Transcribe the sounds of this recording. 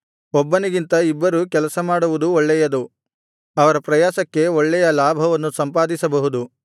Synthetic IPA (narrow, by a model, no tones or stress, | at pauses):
ɔbːɐniɡint̪ɐibːɐɾukɛlɐsɐmaːɽuʋud̪uoɭːɛjɐd̪u | ɐʋɐɾɐpɾɐjaːsɐkːe̞ɔɭːɛjɐlaːbʱɐʋɐnːusɐmpaːd̪isɐbɐɦud̪u